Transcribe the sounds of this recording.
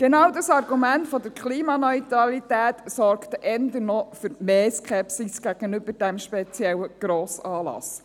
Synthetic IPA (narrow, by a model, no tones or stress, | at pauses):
ɡ̥enɑwdɑsɑrɡumæntfɔd̪əɾkʰχliːmɑnœʏt̪ɾɑlit̪æːtsɔrkt̪əʔɛnd̪ənɔfʏɾmeːskʰɛpsisɡ̥æɡ̥ənʏbəɾd̥æmʃpɛt͡sjɛwəɡ̥ɾoːsɑːlɑ̰s